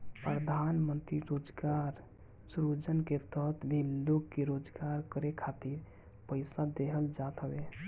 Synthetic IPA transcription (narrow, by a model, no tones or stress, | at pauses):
pɾəd̪ʱanmənt̪ɾiɾod͡ʒɡaɾ | sɾud͡ʒənket̪ɔt̪ʰbʱilokːkeɾod͡ʒɡaɾkəɾekʰat̪iɾ | pəɪsad̪eɦəld͡ʒat̪ɦəbe